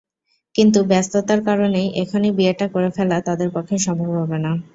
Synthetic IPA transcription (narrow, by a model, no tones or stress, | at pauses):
kint̪̬ubɛst̪ot̪aɾkaɾonejʔekʰanibieʈakoɾefɛlat̪ad̪eɾpɔkʰːeʃɔmbʱabɦobena